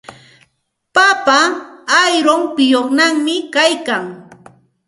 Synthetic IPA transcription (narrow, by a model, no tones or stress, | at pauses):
papaː | jɾoŋpɪjoχnaŋmɪkajkaŋ